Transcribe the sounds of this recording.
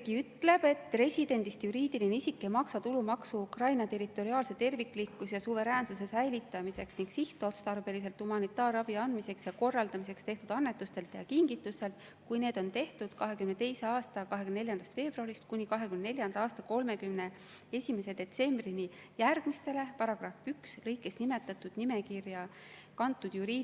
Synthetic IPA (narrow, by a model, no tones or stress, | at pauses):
kiyt̪ːle̞b̥e̞t̪ːre̞sʲid̪̥e̞nd̪̥ist̪juɾiːd̪̥ilineisʲikːe̞mɑksɑt̪ulumɑksuukrɑjnɑt̪e̞ɾit̪ːˑo̞ɾiɑːlse̞t̪e̞rvikːlikːusjɑsuve̞ɾæːnsuse̞sæjlit̪ːˑɑmise̞ksniŋɡ̥siht̪ˑot̪st̪ɑɾbe̞lise̞lt̪humɑnit̪ːˑɑːɾɑb̥iɑnd̪̥mise̞ksjɑko̞rːɑld̪̥ɑmisekst̪e̞ht̪ud̪ɑnːe̞t̪ːˑust̪e̞lt̪ːˑjɑkiŋɡit̪ːˑuse̞lt̪ | kujne̞ːd̪̥o̞nt̪e̞ht̪ud̪̥kɑɦe̞kymne̞t̪e̞jse̞ɑːst̪ɑkɑɦekymnne̞ljɑnd̪̥ɑst̪fe̞ːb̥ruɑɾist̪kunʲikɑɦe̞kymnne̞lʲjɑnd̪ɑɑːst̪ɑko̞lme̞kymne̞ | e̞sʲime̞se̞d̪̥e̞t̪se̞mbrini | jærɡ̥mist̪e̞le̞pɑɾɑɡ̥rɑfykslɤjkːˑe̞snime̞t̪ːˑɑt̪ːˑud̪̥nime̞kirjɑ | kɑnt̪ːˑud̪̥juɾiː